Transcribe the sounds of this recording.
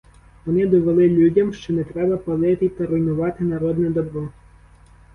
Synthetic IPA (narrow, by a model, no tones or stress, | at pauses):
ʋɔnɪd̪ɔʋelˠɪlʲudʲɐmʃt͡ʃɔnɛt̪ɾɛbɐpɐlˠɪt̪ɪt̪ɐɾɔjnʊʋɑt̪ɪnɐɾɔd̪nɛd̪ɔbɾɔ